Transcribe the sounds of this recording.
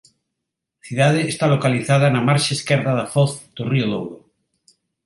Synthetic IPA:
θiðað̞eːst̪alokaliθað̞anamaɾʃaeskɛɾðaðafɔθd̪̥orioðowɾo

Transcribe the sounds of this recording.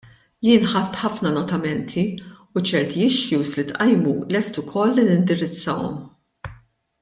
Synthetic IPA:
jɪːnħɐt̪ħɐfnɐnɔt̪ɐmɛnt̪ʰiut͡ʃɛɾt̪iɪʃjuːslit̪ʔɐjmulɛst̪ʊkʰɔlːinɪnd̪ɪɾɪt͡sːɐwɔ̰m

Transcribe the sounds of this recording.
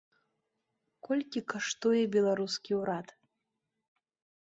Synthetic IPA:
kɔlʲkʲikaʂt̪ɔjɛbʲɛlˠaɾuskʲiwɾat̪

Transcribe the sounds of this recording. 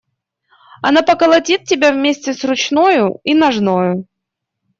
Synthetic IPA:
ɐnapəkəlˠɐtʲit̪̚tʲɪbʲavmʲesʲtʲɪsrʊt͡ɕnojʊinɐʐnojʊ

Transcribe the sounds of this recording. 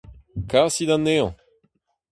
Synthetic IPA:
kasid̪anːeɔ̰̃

